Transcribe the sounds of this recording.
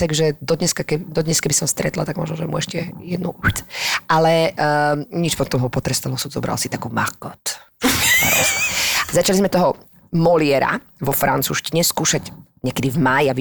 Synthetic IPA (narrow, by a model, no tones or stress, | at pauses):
t̪aɡʒɛd̪ɔd̪ɲɛskakɛd̪ɔd̪ɲɛskɛbisɔmst̪ɾɛt̪la̰t̪aɡmɔ̰ʒnɔʒɛmṵɛʃcɛjɛd̪nuʔutʔalɛ | ɲit͡ʃpɔt̪ɔmɦɔpɔt̪ɾɛst̪alɔsuzɔ̰bɾa̰lsit̪akuːmakɔt̪ | a̰ɾɔ̰azat͡ʃalizmɛt̪ɔɦɔ | mɔlɪɛɾa̰ | ʋɔfɾant͡sṵːʃciɲɛskuːʃaɟɲɛkɛd̪ivmajaʋi